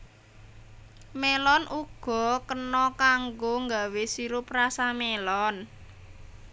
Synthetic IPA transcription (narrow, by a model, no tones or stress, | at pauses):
melɔnʔuɡ̥ɔ̤kənɔkaŋɡoŋɡa̤wesiɾʊprasamelɔn